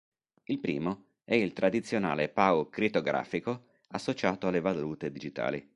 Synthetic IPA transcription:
ilpɾḭːmo | ɛilt̪ɾad̪it̪sːjona̰ːlepaokɾit̪oɡɾa̰ːfiko | asːot͡ʃaːt̪oalːevaluːt̪ed̪id͡ʒit̪a̰ːlḭ

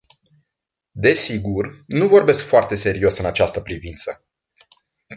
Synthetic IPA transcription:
d̪e̞siɡurnuvo̞rbe̞skfoart̪e̞se̞ɾio̞sɨnat͡ʃast̪əpɾivint̪sə̰

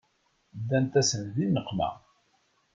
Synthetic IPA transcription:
d̪ːænt̪æsənðinːəqːmæ̰

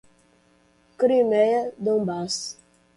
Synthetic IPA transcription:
kɾimejɐd̪õmbas

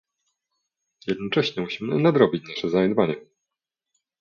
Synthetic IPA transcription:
jɛd̪̚nɔt͡ʂɛɕɲɛmuɕimɘnad̪ɾɔbʲit͡ɕnaʂɛzaɲɛd̪vaɲɛ

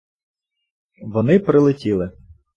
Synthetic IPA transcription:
ʋɔnɪpɾɪlˠɪtʲilˠɪ

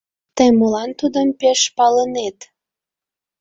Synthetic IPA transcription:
t̪əjmolɑnt̪ud̪əmpeʃpɑlənet̪

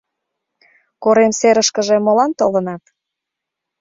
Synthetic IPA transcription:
koɾemseɾəʃkəʒemolɑnt̪olənɑt̪

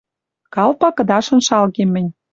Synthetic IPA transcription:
kɑlpɑkɤ̆d̪ɑʃɤ̆nʃɑlɣemːɘ̆nʲ

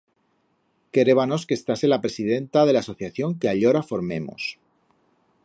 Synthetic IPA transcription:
ke̞ɾe̞βano̞skest̪ase̞lapɾe̞sið̞e̞nt̪að̞elaːso̞θjaθjoŋkeaʎo̞ɾafo̞ɾme̞̰mo̰s

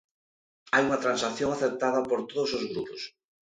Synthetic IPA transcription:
ajuŋat̪ɾãnsakθjoŋaθeɾt̪aðɐpoɾt̪oðosozɣɾupos

